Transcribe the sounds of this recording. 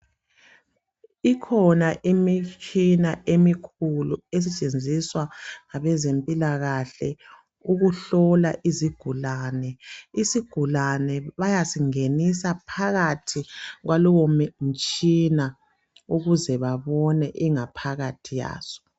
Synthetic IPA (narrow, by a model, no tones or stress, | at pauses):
ikʰɔnaʔimit͡ʃʰinaʔemikʰulues̬it͡ʃʼend͡zʱiswaŋaβɛzempʼilaɣaɬɛ̰ | uɣuɬɔla̰ʔiziɡ̥ʱulaːnɛisiɡ̥ʱulanɛβajasiŋenisapʰaɣatʰiɣwalɔwomm̩t͡ʃʼina | uɣuzɛβaβɔnɛʔiŋapʰaɣatʰija̰ːz̥ɔ̥